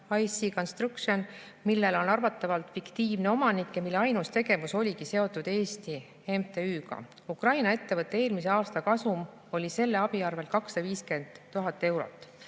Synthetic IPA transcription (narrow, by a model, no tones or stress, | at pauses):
ɑjsiko̞nst̪ruksion | milːe̞lo̞nɑrvɑt̪ːˑɑvɑlt̪ˑfikt̪iːvneo̞mɑnikjɑmilːe̞ɑjnust̪e̞ɡ̥e̞vuso̞lʲikise̞o̞t̪ːˑud̪̥e̞ːst̪i | emt̪e̞yːɡɑ̰ | ukrɑjnɑe̞t̪ːe̞vɤt̪ːˑeeːlmise̞ɑːst̪ɑkɑsum | o̞lʲise̞lːe̞ɑbiɑrve̞lkɑksɑviːske̞nd̪̥ːuɦɑt̪ːˑe̞wɾo̞̰t̪ːˑ